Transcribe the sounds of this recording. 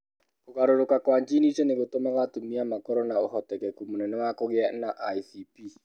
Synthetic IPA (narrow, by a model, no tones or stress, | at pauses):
kokaɾoɾokakwaɲd͡ʒinit͡ʃɔneɣotomaɣatumiamakɔɾɔnaohɔtɛkɛkumunɛnɛwakoɣeanaʔaisipi